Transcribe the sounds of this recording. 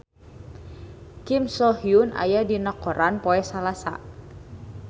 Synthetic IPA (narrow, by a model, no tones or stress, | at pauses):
kimsɔhiunʔa̰jadinakɔɾanpoɛsalasa̰